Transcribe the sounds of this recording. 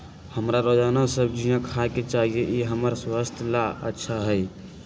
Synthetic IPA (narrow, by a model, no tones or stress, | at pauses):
həmɾaɾod͡ʒanãsəb̚d͡ʒijãkʰaket͡ʃaɦieʔiɦəməɾswəst̪ʰəlaətːʃʰaɦəj